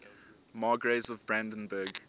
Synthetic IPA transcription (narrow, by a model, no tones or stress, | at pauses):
mɑːɡɹezɔvbɹæ̃ndə̃nbəːɡ